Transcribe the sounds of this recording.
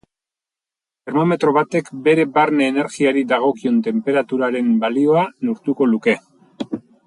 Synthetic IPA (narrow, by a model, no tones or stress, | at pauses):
t̪e̞ɾmo̞me̞t̪ɾo̞βat̪e̞kbe̞ɾe̞baɾneːne̞ɾɣiaɾid̪aɣ̞o̞kio̞nt̪e̞mpe̞ɾat̪uɾaɾe̞mbalio̞anoɾt̪uko̞luke̞